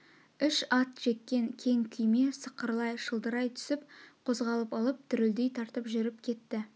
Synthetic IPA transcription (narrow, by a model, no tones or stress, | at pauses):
ʏʃɑt̪ʒ̥e̞t̪̚kʲe̞ŋkʲʰe̞ŋkʲʰʏjme̞səqːəɾlˠɑjʃəlˠd̪əɾɑjt̪ʰʏ̥sɪp̚qʰo̞zʁɑlˠəpɑlˠəp̚t̪ʰʏɾɪld̪e̞jt̪ʰɑɾt̪əpʒʏɾɪpkʲʰe̞t̪ːɪ